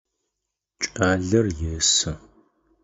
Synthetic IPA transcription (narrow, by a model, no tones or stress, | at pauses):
t͡ʃʼaːɮɐrjɛsɨ